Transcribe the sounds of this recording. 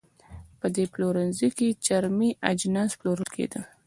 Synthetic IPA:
pəd̪eploɾanziket͡ʃaɾmiʔad͡ʒnɑsploɾəlkʰḛd̪ə

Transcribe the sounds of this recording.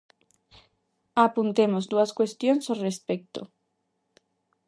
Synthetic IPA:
apunt̪emozd̪uaskwest̪jonsorespek̚t̪o̰

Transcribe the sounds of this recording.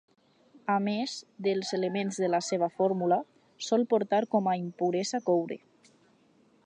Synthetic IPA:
amezd̪əlˠzeləmenzðəlaseβ̞afɔɾmula | sɔlˠpoɾt̪aɾkɔmaimpuɾɛzakowɾḛ

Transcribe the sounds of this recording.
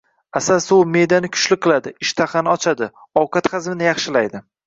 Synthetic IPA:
asasʊme̞jd̪anɪkʰʊ̥t͡ʃlɪqʰːɨlˠad̪ɪɪʃt̪ʰaχɑnɪɒt͡ʃʰad̪ɪ | ɒwqʰɑt̪χɑzmɪnɪjɑχʃɪlajd̪ɪ

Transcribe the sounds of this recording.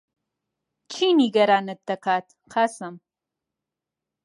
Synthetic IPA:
t͡ʃʰiːniɡɐɾaːnɨt̪̚d̪ɐkaːt̪ | qʰasɐm

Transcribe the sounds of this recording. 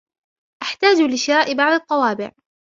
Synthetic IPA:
ʔaħt̪aːd͡ʒlɪʃɪɾaːʔɪbɑʕd̪ˤɑt̪ˤːɑwɑːbɪ̰ʕ

